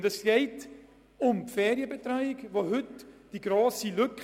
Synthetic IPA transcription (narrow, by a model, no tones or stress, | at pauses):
dɛsɡ̥ɛɪt | ʊmpfɛːɾjəbɛtɾaɪɪɡvoɦʏtd̥iɡɾoːsilʏk